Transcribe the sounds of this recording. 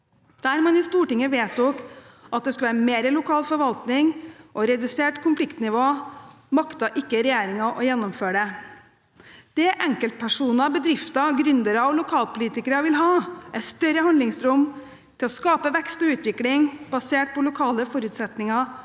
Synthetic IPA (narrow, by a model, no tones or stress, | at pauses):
d̪̥æːɾmɑnɪst̪uːʈɪŋːəʋeːt̪ɔkʔɑt̪̚d̪ɛskʉʋæːɾəmeːɾəlʊkʰɑːlfɔɾʋɑlt̪nɪŋʔɔɾɛd̪ʉseːʈkʰʊnflɪkt̪nɪʋoː | mɑkt̪ɑʔɪkːəɾɛjeːɾɪŋɑʔɔjɛnːɔmføːɖɛ | d̪̥ɛʔɛŋkəlt̪̚pʰæʂuːnɑbəd̪ɾɪft̪ɑɡɾʏnd̪əɾɑɔlʊkʰɑːlpʊliːt̪ɪkəɾɑʋɪlɦɑːʔɛt̪st̪œɾəhɑnd̪lɪŋsɾɔm | t̪ʰɪlɔskɑːpəʋɛkst̪ɔʉːt̪ʋɪklɪŋbɑseːʈ̚pʰɔlʊkʰɑːləfɔɾʉːt̪sɛt̪nɪŋɑ